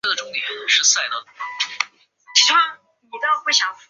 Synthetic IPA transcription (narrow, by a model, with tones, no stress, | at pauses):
d̪ə˨ʈ͡ʂʊ˥ŋnɛ˨˩˦ʂɻ̩˥˧sa˥˩ɪd̪ə˨˩ | t͡ɕʰi˥ʈ͡ʂʰwɑ˥ŋ | ni˨˩d̪ə˥˩pe˥˩ɕjɑ˨˩ŋf